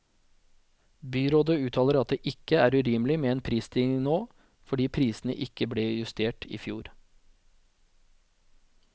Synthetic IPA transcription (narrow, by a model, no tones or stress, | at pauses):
byːɾoːd̪əʉːt̪ʰɑːləɾɑt̪̚d̪eːʔɪkəæːɾʉɾyːmlɪmeːeːnpʰɾiːst̪ʰɪɪnoː | fɔɖiːpʰɾiːsn̩ə̰ʔɪkəbleːjʉst̪ʰeːʈʰḭːfjuːɾ